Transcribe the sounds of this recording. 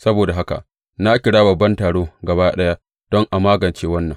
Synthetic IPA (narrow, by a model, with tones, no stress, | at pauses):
sɐ˦boː˨da˨ɦa˦ka̰˨ʔ | na˦kʲɪ˨ɽaː˦bɐ˨bːɐ˦ntaː˨ɽoː˦ɡɐ˨baː˦ɗɐ˦ja˦ | d̥ɔ˦ŋʔa˨maː˦ɡɐ˨nt͡ʃeː˦wɐ˦nːɐ˨ŋ